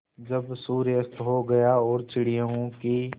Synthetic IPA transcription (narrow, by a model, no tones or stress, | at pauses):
d͡ʒɐbsuːɾjəst̪ɦoɡɐjaɔːɾt͡ʃɪɽijẽɦõki